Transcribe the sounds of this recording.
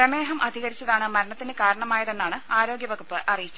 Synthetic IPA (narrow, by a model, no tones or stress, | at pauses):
ɾɐme̞ːɦɐmʔɐd̪ʱiɣɐɾit͡ɕːɐðaːɳɨmɐɾɐɳɐt̪ːinɨkaːɾɐɳɐmaːjɐðe̞nːaːɳɨaːɾo̞ːɡjɐʋɐkupːɨʔɐrijit͡ɕːu